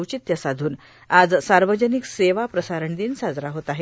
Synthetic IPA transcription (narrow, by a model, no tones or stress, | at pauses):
wt͡ɕit̪jəsad̪ʱuːn | ad͡zsaɾʋəd͡ʑənikseʋapɾəsaɾəɳd̪iːnsad͡zɾaɦot̪aɦe